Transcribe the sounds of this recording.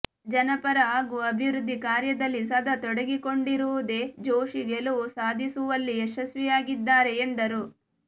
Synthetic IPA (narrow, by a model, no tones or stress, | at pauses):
d͡ʒɐnɐpɐɾɐaːɡuɐbʱiʋɾud̪ʱːikaːɾjɐd̪ɐlːis̬ɐd̪ʱɐt̪ɔɽɐɡiko̞ɳɖiɾuʋud̪e̞ːd͡ʒoːʃiɡeluʋusaːd̪ʱisuʋɐlːieʃɐsʋijaːɡid̪ːaːɾe̞ːnd̪ɐɾu